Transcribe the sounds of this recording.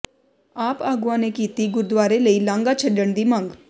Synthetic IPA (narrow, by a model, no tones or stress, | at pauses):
aːpaːɡʊãnekiːt̪iɡʊɾd̪waːɾeləilãːŋɡat͡ʃʰəɖəɽ̃d̪imãːŋɡ